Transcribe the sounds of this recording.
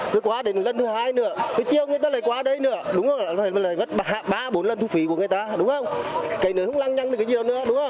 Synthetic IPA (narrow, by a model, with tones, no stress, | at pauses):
ɨ˨˦kwaː˨˦ɗe˨˦n˨lə˧nt̪ɨ˨˦haː˧jnɨ̰˨˧˦ət̪o˨˦jt͡ɕi˧əwŋɨ˧əjt̪aː˧ləː˨˩jkwaː˨˦ɗə˨˧˦jnɨ̰˧˩˦əɗʊ˨˦wŋ͡mhə˧wŋ͡ma˨˩˧laː˨˩jmə˦˥t̚ːhaː˧˩ɓaː˧ɓo˨˦nlə˧nt̪u˧fḭ˧˨˦ku˧˩əŋɨ˨˩əjt̪aː˧ɗʊ˨˦wŋ͡mhə˧wŋ͡mka˨˦jnɨ̰˨˧˦hə˧˦wla˧ŋɲa˧ŋɨ˨˩kːaː˨˦zi˧˨ɗə˨nɨ̰˧˦əɗʊ˨˦ŋ͡mhə˧wŋ͡m